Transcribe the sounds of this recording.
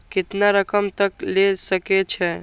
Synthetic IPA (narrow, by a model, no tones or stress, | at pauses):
kɪt̪naɾəkəmt̪əklesəket͡ʃʰɛ